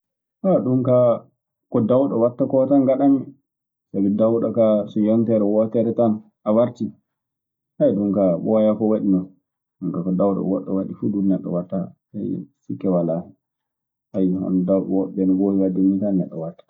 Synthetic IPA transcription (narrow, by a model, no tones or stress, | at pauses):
ʔaɗumka | kɔdawɗɔwatːakɔtanɡaɗami | sabidawɗɔkasɔjɔntɛɾɛwɔtɛɾɛtan | ʔawaɾti | hajɗumkaɓɔajakɔwaɗinɔn | ɗumkakɔdawɗɔ̰wɔ̰ɗːɔ̰waɗifuɗumnɛɗːɔ̰watːa | a̰jsikːɛwalahɛ | ʔajha̰ndawɗɔwɔɓɛnwoiwadimitanːɛ̰ɗːɔ̰watːḁ